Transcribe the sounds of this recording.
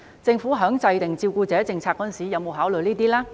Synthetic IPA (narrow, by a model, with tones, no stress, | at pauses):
t͡sɪ˧ŋfuː˨˥ɦœː˨˥ŋt͡sɐ˧jt̪ɪ˨ŋt͡siː˧wkuː˧t͡sɛː˨˥t͡sɪ˧ŋt͡sʰaː˧kːɔː˧˥˨nsiː˨˥jɐ˨˧˥wmo˨˧wɦaː˨˥wlɵ˨jniː˥t̪iː˥laː˥